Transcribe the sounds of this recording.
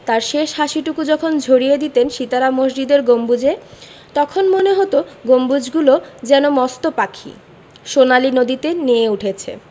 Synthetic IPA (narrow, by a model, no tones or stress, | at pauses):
t̪aɾʃeʃɦaʃiʈukud͡ʑɔkʰond͡ʑʱoɾijed̪it̪enʃit̪aɾamoʃd͡ʑid̪eɾɡombud͡ʑe | t̪ɔkʰonmoneɦot̪oɡombud͡ʑɡulod͡ʑɛnomɔst̪opakʰḭ | ʃonalinod̪it̪enijeuʈʰet͡ɕʰḛ